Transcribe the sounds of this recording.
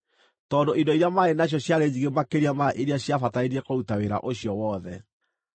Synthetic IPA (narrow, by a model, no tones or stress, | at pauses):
tɔːndoidɔiɾjamaenaɕ̬jɔɕjaɾed͡ʑiɣemakeɾiamaʔeɾeaɕjafataeɾiɛkoutaweɾa̰ʔoɕjɔwɔðɛ